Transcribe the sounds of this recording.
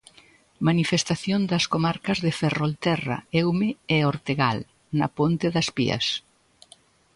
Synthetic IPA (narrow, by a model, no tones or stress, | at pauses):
manifest̪aθjond̪ɐskomaɾkɐzðeferolt̪ɛrɐ̰ɛwmɪɛoɾt̪eɣal | nɐ̰pont̪eðɐspḭɐ̰s